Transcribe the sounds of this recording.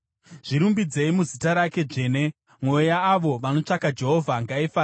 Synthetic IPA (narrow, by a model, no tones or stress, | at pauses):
ʐ̥iɾumbid͡zeimuzitaɾake̞d͡ʐe̞ːne̞ | mwo̞jaːʋo̞ʋano̞t͡ʂakad͡ʒe̞ɦo̞vʱaŋɡaifaːa